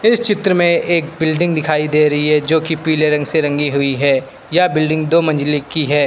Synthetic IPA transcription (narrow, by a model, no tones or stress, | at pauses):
ɪst͡ʃɪt̪ɾəmẽʔeːk̚bɪlɖɪ̃ŋɡd̪ɪkʰaːid̪eːɾɐɦiɦɛd͡ʒoːkipiːleɾɐ̃ŋɡseɾɐ̃ŋɡiɦʊiɦɛː | jabɪlɖɪ̃ŋɡd̪oːmɐ̃nd͡ʒlikiɦɛː